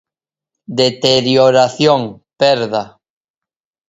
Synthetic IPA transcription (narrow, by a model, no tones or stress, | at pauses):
d̪et̪eɾjoɾaθjoŋ | pɛɾða